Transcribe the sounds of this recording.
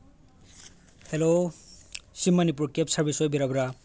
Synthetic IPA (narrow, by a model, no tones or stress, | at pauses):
helo | simːanip̬uɾkepsaɹbisɔjbiɾabɾa